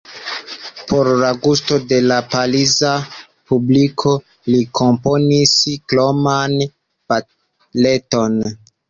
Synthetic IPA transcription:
pʰo̞ɾlaɡusto̞de̞lapaliza | publikʰo̞ | likʰo̞mpo̞niskloman | pa | le̞to̞n

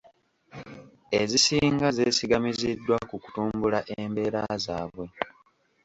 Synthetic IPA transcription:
ezisiːŋɡazeːsiɡamizidːwakuku̥tuːmbulaʔembe̞ːɾazaːβwe̞

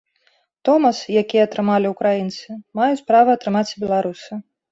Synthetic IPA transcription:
t̪ɔmɐsjakʲijɛːt̪ɾɨmalʲiukɾajint̪sɨmajut͡sʲpɾavɐːt̪ɾɨmat͡sʲbʲɛlˠaɾusɨ

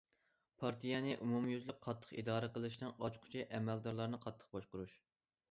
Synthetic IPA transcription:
pʰɑɾt̪ʰijɛnɨʔumumjyzlɪk̚ʲqʰɑt̪ʰːə̥χid̪ɑːɾɨqəlˠɨʃnɨŋɑt͡ʃqʰʊ̥t͡ʃʰiʔɛmɛld̪ɑɾlˠɑɾnɨqʰɑt̪ʰːə̥q̚bɑʃqʊɾuʃ

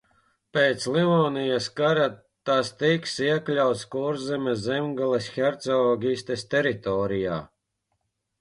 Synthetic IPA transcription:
peːt̪sliɔːnijaskaɾa | t̪ast̪iksiɛklʲawt̪skɔːɾzɛmʲɛzʲɛmɡalˠɛsxɛɾt̪sɔɔːɡʲist̪est̪ɛɾit̪ɔːɾija̰ː

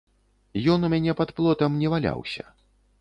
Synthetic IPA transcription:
jɔnumʲanʲɛpɐt̪plˠɔt̪ɐmnʲɛvalʲa̰wsʲɐ̰

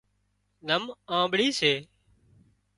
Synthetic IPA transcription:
nəmãːɓɽiːseː

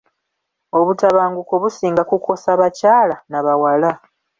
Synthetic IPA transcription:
o̞βutaβaːŋɡuko̞βusiːŋɡakukʰo̞saβacaːlanaβawala

